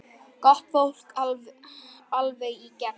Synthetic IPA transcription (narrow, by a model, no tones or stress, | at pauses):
kɔht̪fowl̥k | alvejicɛ